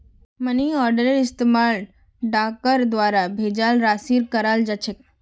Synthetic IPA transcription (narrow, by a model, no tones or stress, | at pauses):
məniɔːɾɖəɾeɾɪst̪emaːɭ | ɖaːkkəɾd̪ʋaːɾabʱeːd͡ʒaːlɾaːsiːɾkəɾaːld͡ʒat͡ʃʰek